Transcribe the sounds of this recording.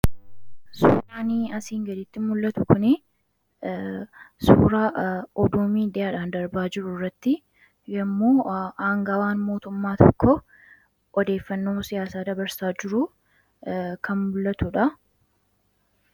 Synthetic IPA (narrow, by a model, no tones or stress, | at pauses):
sṵːɾaːniːɐsiːŋɡɐd̪ɪt̪ːɪmʊlːɐt̪ʊkʊnɪ | sṵːɾaːɔd̪uːmiːd̪ɛaːᶑaːnd̪ɐɾbaːd͡ʒɪɾʊrːɐt̪ːɪ | jɛmːoːaːŋɡaːwaːnmo̞ːt̪ʊmːaːt̪ʰɔkːɔ | ʔɔd̪e̞ːfːɐnːo̞ːsɪjaːsaːd̪ɐbɐɾsaːd͡ʒɪɾʊ | kɐnmʊlːɐt̪ʊᶑɐ